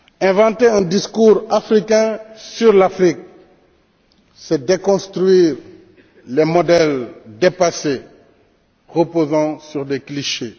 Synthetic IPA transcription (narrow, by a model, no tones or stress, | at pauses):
ɛ̃vɑ̃t̪eɛ̃d̪iskuʁafɾikɛ̃syʁlafɾik̚ | sɛd̪ekɔ̃st̪ɾɥiːʁ | lemɔd̪ɛld̪epase | ʁəpozɑ̃syʁd̪ekliʃe